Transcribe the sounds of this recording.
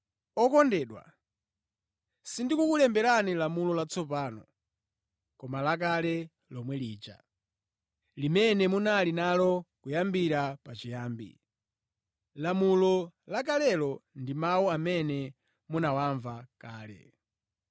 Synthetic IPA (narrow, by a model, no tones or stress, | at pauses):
ɔkɔndɛːɗwa̰ | sindikukulɛmbɛɾanilamulɔlat͡sɔpaːnɔ̰ | kɔmalak̬alɛ | lɔmwɛliːt͡ʃa̰ | limɛnɛmunalinalɔkujambiɾapat͡ʃijaːmbḭ | lamulɔlak̬alɛlɔndimawuamɛnɛ | munawaɱvakaːlɛ̰